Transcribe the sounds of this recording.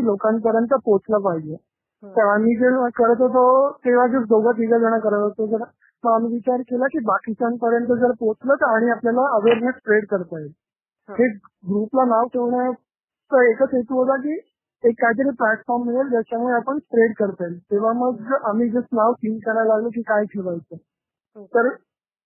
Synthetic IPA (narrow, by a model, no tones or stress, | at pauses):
ilokãnpəɾjənt̪̬əpot͡slapaɦid͡ʑe | t̪əɾamiːd͡zəəkəɾət̪ɦot̪ot̪eʋ̤ad͡zəd̪ʱoɡat̪iɡad͡zəɽ̃akəɾət̪ɦot̪od͡zəɾ | məamʋit͡ɕaɾkelakiːbakist͡sanpəɾjənt̪̬əd͡zəɾpot͡slət̪aɽ̃iapljalaəʋeɾmẽɳʈspɾeɽkəɾt̪ael | he | ɡɾuplanaʋkʰeʋɳja | t͡səekət͡sjet̪uːɦot̪ak̬iː | ekːajt̪̬əɾiːplæʈfɔɾmːiɭelt̪jat͡ɕamuɭeapəɳspɾeɽkəɾt̪aɦelt̪eʋ̤aməɡam̤iːd͡zət͡snaʋʈiːmkəɾalaɡlək̬iːkajkʰeʋajt͡sə | t̪əɾ